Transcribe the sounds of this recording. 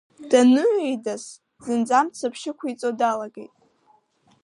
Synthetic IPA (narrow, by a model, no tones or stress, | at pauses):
d̥anɨʕejdas | z̥ɨnd͡zamt͡sʰapʰʃɪkʷʰait͡sʼodalaɡejtʼ